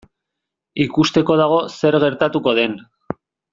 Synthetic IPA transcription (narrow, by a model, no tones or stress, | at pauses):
ikust̪e̞ko̞ð̞aɣ̞o̞se̞ɾɣe̞ɾt̪at̪uko̞ð̞e̞n